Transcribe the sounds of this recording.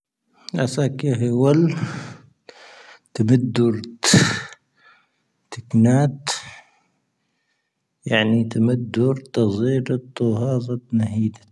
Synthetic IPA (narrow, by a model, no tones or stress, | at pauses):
ʔasaːkaɦawal | t̪amad̪ːʊɾ | t̪ɪknaːt̪ | jaʕnit̪amad̪ːʊɾt̪ɑzˤiːɾt̪ːʊhɑːzˤɑt̪nahiːd̪a